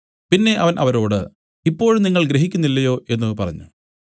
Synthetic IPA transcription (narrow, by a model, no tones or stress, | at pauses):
pinːe̞ʔɐʋɐnʔɐ̰ʋɐɾo̞ːɽɨ̰ | ipːo̞ːɻniŋːɐɭɡɾeɦikʲːunːilːɐjo̞ːʔe̞nːɨpɐrɐ̰ɲːu